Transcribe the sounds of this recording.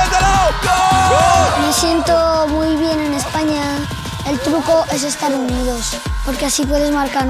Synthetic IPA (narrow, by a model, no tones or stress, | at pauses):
me̞sje̞nt̪omujβ̞je̞ne̞ne̞spaɲa | e̞lt̪ɾuko̞ʔe̞s̬e̞st̪aɾunið̞os | po̞ɾkeasip̬we̞ðe̞zmaɾka